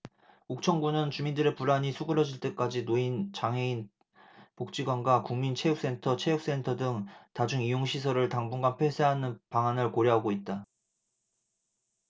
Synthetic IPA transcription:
uk̚t͡ɕʰʌŋɡunɯnt͡ɕumindɯɾe̞puɾaɲisʰuɡɯɾʌd͡ʑiɭt͈e̞k͈ad͡ʑinoint͡ɕaŋɦe̞in | pok̚t͡ɕ͈iɡwanɡwakuŋmint͡ɕʰe̞juk̚s͈e̞ntʰʌt͡ɕʰe̞juk̚s͈e̞ntʰʌdɯŋtad͡ʑuŋijoŋɕʰis̬ʰʌɾɯɭtaŋbuŋɡanpʰe̞sʰe̞ɦanɯnpaŋanɯɭkoɾjʌɦaɡoit̚t͈a

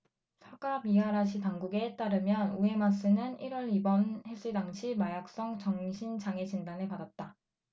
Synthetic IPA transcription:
sʰaɡabiɦaɾaɕʰitaŋɡuɡe̞t͈aɾɯmjʌnue̞mas͈ʰɯnɯniɾwʌɭibʌnhes͈ɯdaŋɕʰimajak̚s͈ʌŋt͡ɕʌŋɕʰint͡ɕaŋe̞d͡ʑindanɯɭpadat̚t͈a

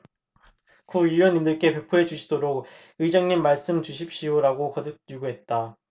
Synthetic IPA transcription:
kuijʌnindɯɭk͈e̞pe̞pʰoɦe̞t͡ɕuɕʰidoɾok̚ | ɯid͡ʑʌŋɲimːaɭs͈ɯmt͡ɕuɕʰip̚ɕ͈ijoɾaɡokʌdɯt̚juɡuɦe̞t̚t͈a

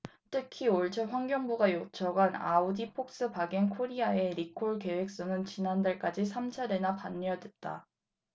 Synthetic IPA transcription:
tʰɯkʰioɭt͡ɕʰʌɸwaŋɡjʌŋbuɡajot͡ɕʰʌɡana̰udipʰok̚s͈ɯpaɡenkʰoɾiae̞ɾikʰoɭke̞we̞k̚s͈onɯnt͡ɕinandaɭk͈ad͡ʑis̬ʰamt͡ɕʰaɾe̞napanːiʌdwet̚t͈a̰

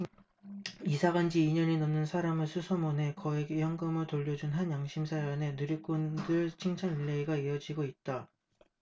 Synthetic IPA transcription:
isʰaɡand͡ʑiːɲʌnenʌnːɯnsʰaɾamɯɭsʰusʰʌmonɦe̞kʌeɡejʌŋɡɯmɯɭtoʎːʌd͡ʑunɦanjaŋɕʰimsʰajʌne̞nuɾjʌk͈ʌndɯɭt͡ɕʰiŋt͡ɕʰaŋiɭːeiɡaiʌd͡ʑiɡoit̚t͈a

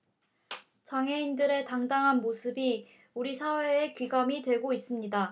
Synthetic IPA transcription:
t͡ɕʌŋɦe̞indɯɾe̞taŋdaŋɦanmosʰɯbi | uɾisʰawe̞ːkɥiɡamitwe̞ɡois͈ɯmɲida

